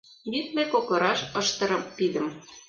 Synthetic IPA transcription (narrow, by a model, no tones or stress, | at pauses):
jit̪mekoklˠɤ̆ɾɑʃɤʃt̪ɤ̆ɾɤ̆mːid̪ə̆m